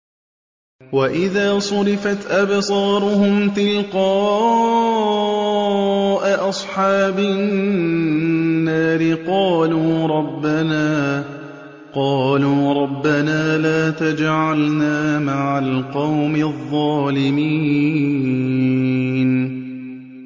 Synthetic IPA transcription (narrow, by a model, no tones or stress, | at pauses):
waʔɪðaːsˤʊɾɪfat̪ʔabsˤɑːɾˤʊhʊmt̪ɪlqɑː | ʔaʔɑsˤħɑːbɪ | nːaːɾɪqɑːluːɾˤɑbːanaː | qɑːluːɾˤɑbːanaːlaːt̪ad͡ʒʕalnaːmaʕalqɑwmɪðˤːɑːlɪmiː | n